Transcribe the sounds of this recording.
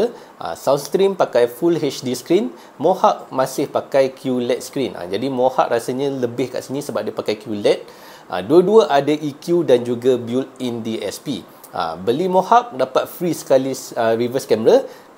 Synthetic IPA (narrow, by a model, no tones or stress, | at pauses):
ʔa̰sawt̪st̪ɾimpakajfulɦet͡ʃdisə̥kɾin | mohaʔ̚mãsɪhpakajkʰjulɛt̪̚skɾinʔa̰d͡ʒadimoha̰ʔ̚ɾasaɲãləbɪhka̰ʔsinĩsəbap̚dipakajkjulɛt̪̚ | ʔa̰duəduəʔadaʔikjudand͡ʒuɡabjulindiɛ̰spḭ | ʔə̰bəlimohak̚dapat̪̚fɾisə̥kalisəɾivəskɛməɾa